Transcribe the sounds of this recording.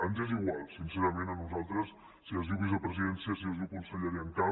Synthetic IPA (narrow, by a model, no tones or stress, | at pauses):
anzeziɣwalˠsinseɾəmenənuzalˠt̪ɾəs | siəzðiuwβizəpɾəziðɛnsiəs̬iəlzðiuwkunsəʎəɾiəŋka